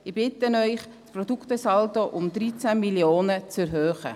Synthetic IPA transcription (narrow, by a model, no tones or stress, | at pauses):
ɪb̥ɪt̪ənœʏχ | sprɔdukt̪əsɑltoʔʊmd̪ɾit͡sæmiljoːnət͡sɛɾɦøːχə̰